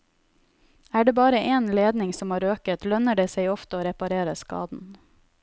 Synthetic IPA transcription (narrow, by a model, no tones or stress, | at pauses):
æːɖeːbɑːɾəʔeːnleːd̪nɪŋsɔmhɑːɾøːkət̪lœnəɖeːseɪɔft̪əoːɾɛpɑɾeːɾəskɑ̰ːd̪n̩